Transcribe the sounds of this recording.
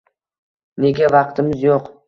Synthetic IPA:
ne̞ɡʲavɑqt̪ʰɪmɪzjoq

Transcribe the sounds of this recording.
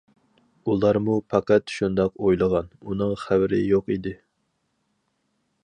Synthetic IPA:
ulˠɑɾmupʰɑqæt̪ʃund̪ɑqojlˠəʁɑnunɨŋχæwɾɪ̰joqid̪ɪ

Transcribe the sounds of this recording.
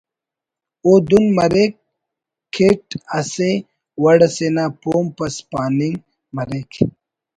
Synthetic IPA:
oːd̪unmɐɾek̚ʰː | eʈɐse | wɐɽɐsenaːpoːmpɐspaːniŋɡ | mɐɾekʰ

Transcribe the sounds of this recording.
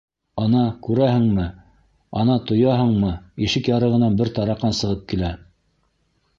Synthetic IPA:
ɑnɑkʉɾæɦɘ̆ŋmɘ | ɑnɑt̪ŏjɑɦɤɴmɤiʃɘkjɑɾɤ̆ʁɤ̆nɑnbɘɾt̪ɑɾɑqːɑnsɤ̆ʁɤp̚kilæ

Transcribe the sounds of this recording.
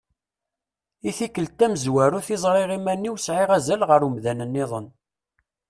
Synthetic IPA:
iθikəlt̪ːæməzwæɾuθizˤɾˤeʁimænːiwsʕɪʁæzælʁəɾumðænənːɪðˤən

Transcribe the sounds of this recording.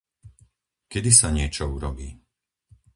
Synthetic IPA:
kɛd̪isaɲɪɛt͡ʃɔuɾɔbiː

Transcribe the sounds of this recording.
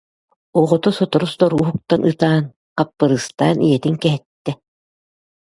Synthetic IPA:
uʁɔt̪ɔsɔt̪ɔɾust̪ɔɾuːɦuk̚t̪anʔɯt̪aːn | qapːɯɾɯst̪a̰ːnijɛt̪iŋkɛɦɛt̪ːɛ

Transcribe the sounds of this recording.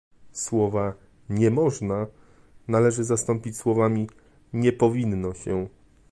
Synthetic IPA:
swɔva | ɲɛmɔʐna | nalɛʐɘzast̪ɔmpʲit͡ɕswɔvamʲi | ɲɛpɔvʲinːɔɕɛ

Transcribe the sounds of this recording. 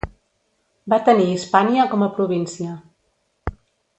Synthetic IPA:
bat̪əniːspaniəkɔməpɾuβ̞insiə

